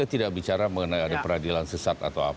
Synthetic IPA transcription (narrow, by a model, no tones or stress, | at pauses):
at̪idaʔ̚bit͡ʃaɾaməŋənajadapəɾadilansəsat̪a̰t̪awa̰